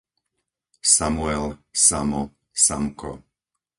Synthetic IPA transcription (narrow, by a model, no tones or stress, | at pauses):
samuɛlsamɔ | samkʰɔ̰